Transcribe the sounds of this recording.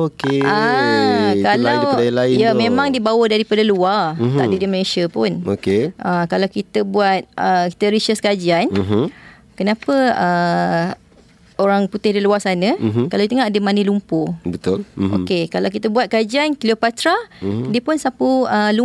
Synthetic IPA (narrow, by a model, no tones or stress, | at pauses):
okea | kalawalaɪjamẽmãŋdibawədaɾipadəluart̪a̰ʔdədiməlesəpʊnokeʔakalawkit̪əbuat̪̚ʔəki̥t̪əɾiʃəskad͡ʒianɦ | kənapəə | oɾaŋput̪ɪhdiluasanə̃kalait̪əŋadəmanəlumpobət̪ʊlo̰kekalawkit̪əbuat̪̚kad͡ʒiankliopat̪ɾadiəpʊnsapuəlu